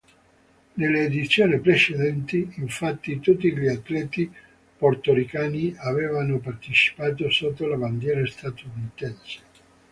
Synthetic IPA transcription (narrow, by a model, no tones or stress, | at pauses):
nelːeːd̪it̪sːjoːnipɾet͡ʃed̪ɛnt̪iːɱfat̪ːit̪ut̪ːiʎiat̪ːlɛːt̪i | port̪oɾikaːniavɛːvanopart̪et͡ʃi̥paːt̪̬osot̪ːolaband̪jɛːɾast̪at̪uunit̪ɛnse̥